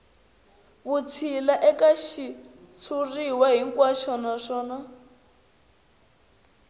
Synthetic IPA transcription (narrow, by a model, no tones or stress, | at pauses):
βut͡sʰilaʔɛkaʃit͡sʰuriwaɦiŋkwaʃɔnaʂɔːna